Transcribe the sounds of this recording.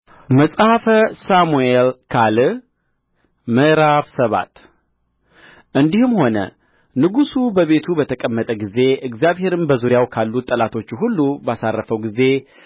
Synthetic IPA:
məsʼhafəsamuelkʰal | məɾaβsəβa̰t̪ | ʔɨnd̪ihɨmho̞nə̰ | nɨɡusubəβe̞t̪ʰubət̪ʰəkʼəmːət̪ʼəɡize̞ɨɡzjaβhe̞ɾɨnbəzuɾjawkʰalːut̪ʼːəlat̪ʰo̞t͡ʃːuɦulːubasarːəfəwɡize̞

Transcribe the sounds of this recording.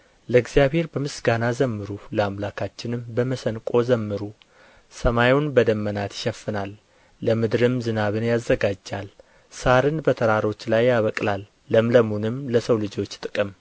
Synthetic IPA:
ləɡzijaβhe̞ɾbəmɨsɡanazəmːɨɾuləamlakʰat͡ʃːɪnɨmbəməsənkʼo̞zəmːɨɾu | səmajunbəd̪əmːənat̪jɪ̥ʃɛfːɨnalː | əmɨd̪ɾɨmzɨnaβɨnjazːəɡad͡ʒːal | saɾɨnbət̪ʰəɾaɾo̞t͡ʃːlajːaβəkʼlalː | əmləmunɨmləsəwlɨd͡ʒo̞t͡ʃːt̪ʼɨkʼɨm

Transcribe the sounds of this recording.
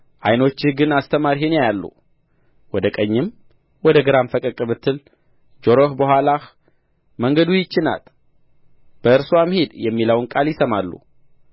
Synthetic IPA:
ʔajno̞t͡ʃːɪhɡɨnast̪ʰəmaɾihɨnjajalːṵ | wɔd̪əkʼəɲːɪm | wɔd̪əɡɨɾamfəkʼəkʼɨβɨt̪ʰːɨl | d͡ʒo̞ɾohbəhʷwʷalah | məŋɡəd̪ujɪt͡ʃːɪna̰l | b̥əɨɾsoamhid̪jɛmːiləwnkʼaljɪsəmalːṵ

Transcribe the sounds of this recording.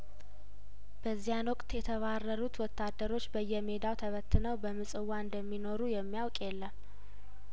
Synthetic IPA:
b̥əzːijanwɔkʼt̪jɛt̪ʰəβarːəɾut̪wɔt̪ːad̪ːəɾo̞t͡ʃːbəjːɛme̞d̪awt̪ʰəβət̪ʰːɨnəwbəmɨsʼɨwːaɨnd̪əmːino̞ɾujɛmːijawkʼjɛlːəm

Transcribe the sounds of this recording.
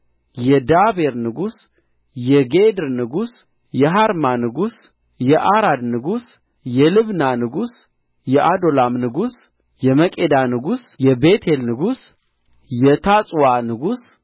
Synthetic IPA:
jɛd̪abeɾnɨɡus | jɛɡed̪ɨɾnɨɡus | jɛɦaɾmanɨɡus | jɛʔaɾad̪nɨɡus | jɛlɨβnanɨɡus | jɛʔad̪o̞lamnɨɡus | jɛməkʼed̪anɨɡusjɛbet̪ʰelnɨɡus | jɛt̪ʰasʼwanɨɡus

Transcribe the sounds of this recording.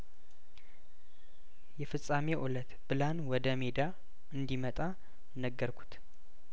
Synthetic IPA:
jɛfɨsʼame̞ʔulət̪b̥ɨlanwɔd̪əmed̪a | ɨnd̪imət̪ʼa | nəɡːəɾkʷʰu̥t̪

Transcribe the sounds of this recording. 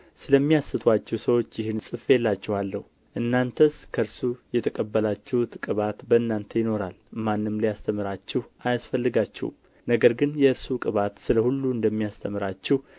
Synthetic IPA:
sɨləmːijasɨt̪ʰwat͡ʃːɛwsəwo̞t͡ʃːjɪhɨnsʼɨfjelːat͡ʃːɛhalːəh | ʔɨnːant̪ʰəskʰəɾsujɛt̪ʰəkʼəbːəlat͡ʃːɛhut̪kʼɨβat̪bəɨnːant̪ʰəjɪno̞ɾalmanːɨmlijast̪ʰəmɨɾat͡ʃːɛhajasfəlːɨɡat͡ʃːɛ̰w̰m | nəɡəɾɡɨnjɛɨɾsukʼɨβat̪sɨləhulːuɨnd̪əmːijast̪ʰəmɨɾat͡ʃːɛh

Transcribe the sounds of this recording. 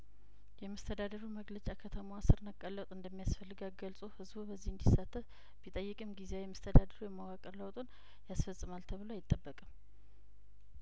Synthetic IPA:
jɛməst̪ʰəd̪ad̪əɾuməɡlət͡ʃʼakʰət̪ʰəmowasɨɾnəkʼːəlːət̪ʼɨnd̪əmːijasfəlːɨɡaɡəlsʼuhɨzbubəzːihɨnd̪isːat̪ʰːəf | b̥it̪ʼəjːɨkʼɨmɡizewjɛməst̪ʰəd̪ad̪əɾujɛməwakʼəɾləwt̪ʼon | jasfəsʼːɨmalt̪ʰəβɨloajɪt̪ʼːəbːəkʼəm

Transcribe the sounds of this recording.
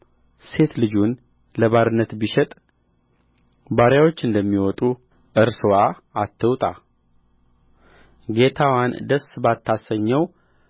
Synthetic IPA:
se̞t̪lɨd͡ʒun | ləβaɾɨnːət̪biʃɛt̪ʼ | baɾjawo̞t͡ʃːɨnd̪əmːiwɔt̪ʼu | ʔɨɾswa | at̪ʰːəwt̪ʼa | ɡe̞t̪ʰawand̪əsbat̪ʰːasəɲːɛw

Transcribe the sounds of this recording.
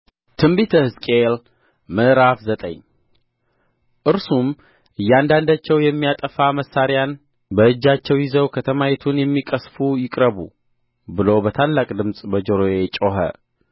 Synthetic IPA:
t̪ʰɨmbit̪ʰəhɨskʼel | mɨɾafzət̪ʼə̰ɲ | ʔɨɾsum | ʔɨjːand̪and̪at͡ʃːɛwjɛmːijat̪ʼəfaməsːaɾjan | bəɨd͡ʒːat͡ʃːɛwjɪzəwkʰət̪ʰəmajɛt̪ʰunjɛmːikʼəsfujɪkʼɾəβṵ | bɨlowbət̪ʰalːakʼd̪ɨmsʼbəd͡ʒoɾojet͡ʃʼoɦə̰

